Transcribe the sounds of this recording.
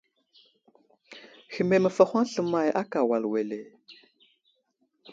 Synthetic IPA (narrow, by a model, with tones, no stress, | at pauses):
xi˨me˨mə˨fa˨xʷa˦ŋɬə˨ma˦˨jʔa˦ka˨wa˨lwe˨le˨